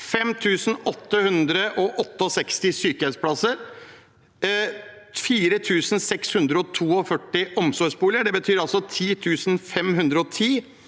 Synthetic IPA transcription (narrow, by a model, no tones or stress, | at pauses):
fɛmt̪ʰʉːsn̩ɔt̪ːəhʉnd̪ɾəʔɔʔɔt̪ːəɔsɛkst̪ɪsyːkəɛspʰlɑsəɾ | fiːɾət̪ʰʉːsn̩sɛkshʉnd̪ɾəɔt̪ʰuːɔfœʈːɪʔɔmsɔʂbuːlɪəɖɛbət̪ʰyːɾɑlsɔt̪ʰiːt̪ʰʉːsnfɛmɦʉnd̪ɾəɔt̪ʰiː